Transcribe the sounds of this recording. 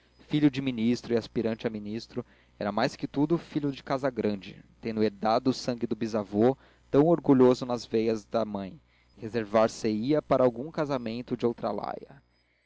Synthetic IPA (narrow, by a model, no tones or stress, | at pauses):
fiʎʊd͡ʒɪminist̪ɾʊiaspiɾɐ̃nt͡ʃɪɐminist̪ɾʊ | ɛɾɐmajskɪt̪ud̪ʊfiʎʊd͡ʒɪkazɐɡɾɐ̃d͡ʒɪ̰t̪ẽnd̪ʊeɾd̪ad̪ʊːsɐ̃ŋɡɪd̪ʊbizavo | t̪ɐ̃w̃oɾɡuʎozʊnɐzvejɐzd̪ɐmɐ̃j̃ | hezeɾvaɾseiɐpaɾɐawɡũkazamẽnt̪ʊd͡ʒɪowt̪ɾɐ̰la̰jɐ